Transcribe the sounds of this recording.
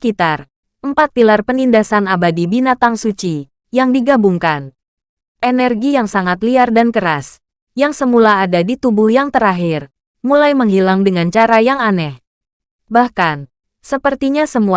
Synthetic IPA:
kit̪ar | ʔəmpat̪̚pilarpənindasanabadibinat̪aŋsut͡ʃi | jaŋdiɡabuŋkan | ʔenɛrɡijaŋsaŋat̪liardankəɾas | jaŋsəmulaːdadit̪ubuhjaŋt̪əɾaɦɪr | mulajməŋɦilaŋdəŋant͡ʃaɾajaŋanɛh | bahkan | səpərt̪iɲasəmu

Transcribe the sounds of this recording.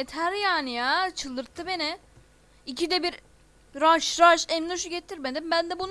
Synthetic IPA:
et̪ʰæɾjaːnijaːt͡ʃʰɯlˠd̪ɯɾt̪ʰːɯbe̞nɪ | icʰid̪ɛbiɾ | ɾaʃɾaʃɛnløʃyɟet̪ʰːiɾmed̪imbænd̪ɛbun

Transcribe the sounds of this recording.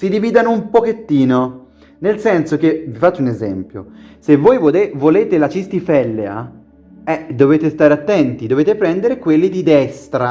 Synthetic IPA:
sid̪iviːd̪anoumpoket̪ːiːno | nelsɛnsokevifat͡ʃːunezɛmpjo̰sevːojvevoleːt̪elat͡ʃist̪ifɛlːea̰ | ɛd̪oveːt̪est̪aːɾeat̪ːɛnt̪id̪oveːt̪epɾɛnd̪eɾekwelːid̪id̪ɛst̪ɾa

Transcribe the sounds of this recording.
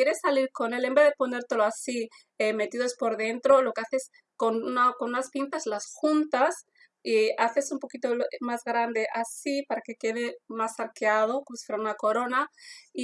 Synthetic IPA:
jeɾe̞sːaliɾko̞ne̞le̞mbe̞ðepo̞ne̞ɾt̪e̞lo̞asi | eme̞t̪iðo̞spo̞ɾðe̞nt̪ɾo̞lo̞ke̞aθes | konunakonunaspint̪azlasxunt̪as | iaθe̞sumpo̞kit̪olmazɣɾand̪e̞ʔasipaɾake̞ke̞ðemasaɾkeað̞o̞kosi̥feɾaunako̞ɾo̞nai

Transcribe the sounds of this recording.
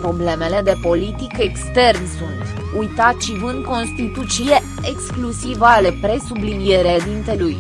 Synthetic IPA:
pɾo̞ble̞me̞le̞d̪e̞po̞lit̪ikekst̪e̞rnsunt̪ | ujt̪at̪ʃivɨnd̪̚ko̞nst̪it̪ut̪sile | eksklusivale̞pɾe̞sublinije̞ɾed̪int̪e̞luj

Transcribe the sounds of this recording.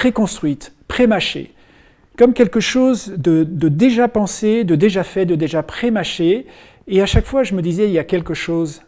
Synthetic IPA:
pχekɔ̃st̪χɥit̪ | pχemaʃḛ | kɔmkʲɛlkəʃozd̪əd̪əd̪eʒapɑ̃sed̪əd̪eʒafɛd̪əd̪eʒapχemaʃeː | aʃakfwaʒəməd̪izɛiljakʲɛlkəʃoz

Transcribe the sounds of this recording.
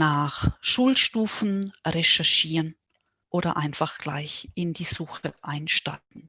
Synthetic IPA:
naːχʃuːlʃtuːfn̩ʁɛʃɛɐʃiːʁən | ʔoːɾɐ̰ʔaɪnfaχɡ̥la̰ɪçʔɪndiːz̥uːxəʔaɪnʃta̰tn̩

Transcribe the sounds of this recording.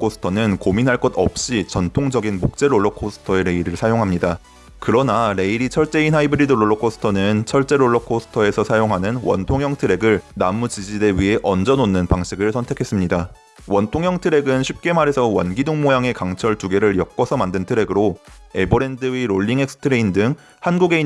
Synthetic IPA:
kʰosʰɯ̥tʰʌnɯnkominɦaɭk͈ʌdʌ̰p̚ɕ͈it͡ɕʌntʰoŋd͡ʑʌɡinmok̚t͡ɕ͈e̞ɾoɭːʌkʰosʰɯ̥tʰʌe̞ɾe̞iɾɯɭsʰajoŋɦamɲida | kɯɾʌnaɾe̞iɾit͡ɕʰʌɭt͡ɕ͈e̞inɦaibɯɾidɯɾoɭːokʰosʰɯ̥tʰʌnɯnt͡ɕʰʌɭt͡ɕ͈e̞ɾoɭːʌkʰosʰɯ̥tʰʌe̞sʰʌsʰajoŋɦanɯnwʌ̰ntʰoŋjʌŋtʰɯɾe̞ɡɯɭnamut͡ɕid͡ʑiɾeɥiɦe̞ʔʌnd͡ʑʌnonːɯnpaŋɕʰiɡɯɭsʰʌntʰe̞kʰe̞s͈ɯmɲida | wʌntʰoŋjʌŋtʰɯɾe̞ɡɯnɕʰip̚k͈e̞maɾe̞sʰʌwʌnɡidoŋmojaŋe̞kaŋt͡ɕʰʌɭtuɡe̞ɾɯɭjʌk̚k͈ʌsʰʌmandɯntʰɯɾe̞ɡɯɾoe̞bʌɾe̞ndɯiɾoʎːiŋe̞k̚s͈ʰɯ̥tʰɯɾe̞indɯŋ | hanɡuɡe̞i

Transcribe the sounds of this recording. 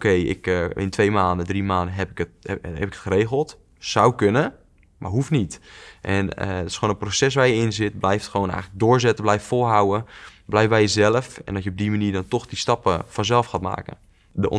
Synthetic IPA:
okʰejɪ̰kɪ̰ntʰʋejmaːndədrimaːndəɦɛpɪkəthɛpɪkʰətxəɾeːɣəlˠt | sawkønə | ma̰ɹɦufnitʔɛnədtɪ̥sxoːnənprosɛs̬ʋaːɹjəɪnzɪtblɛjftxəʋoːnɛ̰jɣŋələɡ̚dʊːɹzɛtəblɛjftfolˠɦawəblɛjfbɛjəzɛlˠəfɛ̰ndɔtjəob̚dimaniːrdɔntoxdistɑpəfɔnzɛlˠfxaːtma̰ːkə̰ | dəʔ

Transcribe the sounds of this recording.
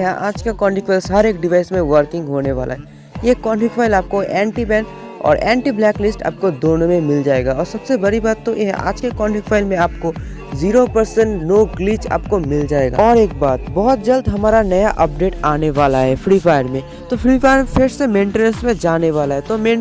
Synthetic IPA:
ɦɛʔa̰ːd͡ʒkakɔ̃ːɳʈɪkfʰaːlsɦɐɾeːk̚ɖɪʋaːɪsmẽʋəɾkɪ̃ŋɡɦoːneʋaːlʔa̰ɦɛ | jekɔːnʈɪkfʰaːɪlaːp̚koʔɛ̃ːɳʈibɛ̃ːnʈ | ɔ̰ːɾɛ̃ːɳʈiblɛːklɪsʈa̰ːp̚kod̪oːnõmẽmɪld͡ʒaːeːɡaɔːɾsɐbsebɐɾibaːt̪ːojeɦɛ̰ʔa̰ːd͡ʒkekɔːɳʈɪkfʰaːɪlmẽaːpko | ziːɾopɐɾsəɳʈnoːɡliːt͡ʃa̰ːp̚komɪld͡ʒaːeːɡa̰ɔːɾeːk̚baːt̪bɔɦʊt̪̚d͡ʒɐld̪ɦɐmaːɾanɐjaʔɐp̚ɖeːʈaːneʋaːlaɦɛfɾiːpʰaːɪɾmẽ | t̪ofʰɾipʰaːɪɾpʰɪɾsemẽːɳʈenəsmẽd͡ʒaːneʋaːlaɦɛt̪omẽː

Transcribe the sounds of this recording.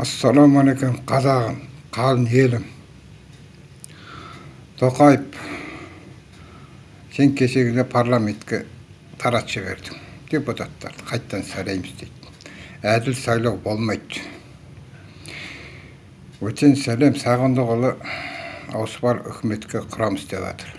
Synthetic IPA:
ɑsːɑlˠomalekʲumqʰɑzɑʁəmqʰɑlˠəne̞lɪm | t̪ʰo̞qɑjəp | se̞ŋkʲʰe̞se̞ɡʲɪnd̪epʰaɾlˠame̞nt̪kʲḛ | t̪ʰɑɾɑt̪ʒɪβe̞̰ɾd̪ɪŋd̪̥e̞put̪ʰat̪ːɑ̰ɾd̪ə̥qʰɑjt̪ːɑnsælejmɪzd̪ejt̪ | æd̪ɪlsɑjlˠɑwbo̞lˠmɑjt̪ | wɵt̪e̞nsæle̞msɑʁənd̪əʁolˠə | ɑ̰wsə̥bɑɾʏ̰kʲʰɪme̞t̪kʲe̞qʰʊɾɑməsd̪ḛβɑ̰t̪ʰəɾ

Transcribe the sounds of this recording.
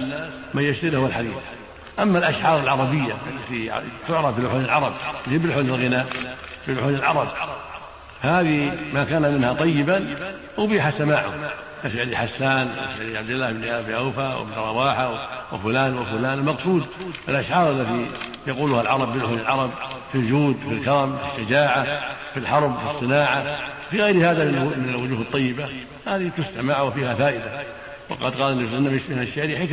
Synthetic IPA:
manjaʃt̪aɾhwalħad̪iːθ | ʔamːalʔaʃʕɑːɾˤɪlʕɑɾˤɑbɪjːa̰ʔalːat̪it̪ʊʕɾˤɑbilʊħuːnɪlʕɑɾˤɑbɪbɪlħuːnɪlɣɪnaːʔbilʊħuːnɪlʕɑɾˤɑb | fahaːðimakaːnamɪnhat̪ˤɑjːɪban | wʊbiːħasamaːʕʊ̰ | kafʕaliħasːaːnwlʕab̚d̪ɪlːaːhbnbnʔawfawɪ̰bnɾˤɑwɑːħawwɪfʊlaːnwɪfʊlaːnɪlmɑqsˤuːd̪ʔɪlʔaʃʕɑːɾˤalːat̪i | jɑquːlʊhalʕɑɾˤɑbːɪlʔʊhlɪlʕɑɾˤɑb̚fild͡ʒuːd̪filkɑɾˤɑmfiʃːad͡ʒaːʕa | filħɑɾˤbfisˤːɨnaːʕawfiɣajɾhaːðamɪmɪnalwʊd͡ʒuːhɨt̪ˤːɑjːɪba | haːðiht̪ʊst̪amaʕawfiːhafaːʔɪd̪a | wɪ̰qɑd̪qɑːlɪnːasɪnːamɪʃmɪnʃaʔɾiħek

